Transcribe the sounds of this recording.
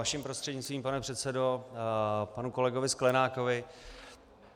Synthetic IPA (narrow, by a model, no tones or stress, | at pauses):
aʃimpɾo̞st̪r̥ɛdɲɪt͡st̪viːmpanɛpr̥ɛt̪sɛdo̞ | panuko̞lɛɡo̞vɪsklɛnaːkovɪ